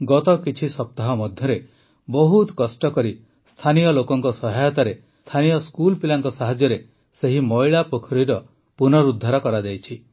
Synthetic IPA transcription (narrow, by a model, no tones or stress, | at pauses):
ɡɔt̪ɔkit͡ʃʰisɔp̚t̪aɦɔmɔd̪ʱjɔɾe | bɔɦut̪kɔsʈɔkɔɾi | st̪ʰanijɔlokɔŋkɔsɔɦajɔt̪aɾe | t̪ʰanijɔskulpilaŋkɔsaɦad͡ʒjɔɾe | seɦimɔjɭapokʰɔɾiɾɔ | punɔɾud̪ʱːaɾɔkɔɾad͡ʒajt͡ʃʰi